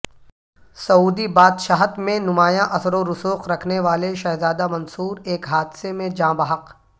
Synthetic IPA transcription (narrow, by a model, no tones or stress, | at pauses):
sɐuːd̪ibaːd̪ʃaːɦət̪mẽnʊmaːjãʔɐsɾoɾʊsuːqɾɐkʰneʋaːleʃɐɦzaːd̪amɐ̃nsuːɾeːkɦaːd̪semẽd͡ʒãːbɐɦəq